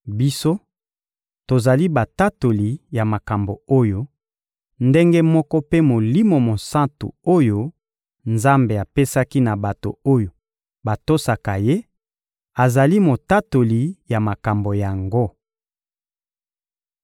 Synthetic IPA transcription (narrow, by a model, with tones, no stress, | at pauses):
bi˦so˦ | to˨za˨li˦ba˨ta˦to˨li˨ja˨ma˨ka˨mbo˨o˦jo˦ | nde˦ŋɡe˦mɔ˦kɔ˦pe˦mo˨li˦mo˨mo˨sã˦ntṵ˨o˦jo˦ | nza˦mbe˨a˨pe˦sa˦ki˦na˨ba˨to̰˨o˦jo˨ | ba˨to˦sa˨ka˨je˦ | a˨za˨li˦mo˨ta˦to˨li˨ja˨ma˨ka˨mbo˨ja˨ŋɡo˦